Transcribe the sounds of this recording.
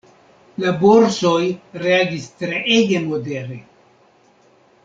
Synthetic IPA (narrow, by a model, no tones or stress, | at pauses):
laboɾsojɾeaɡistɾeʔeɡe̞modeɾe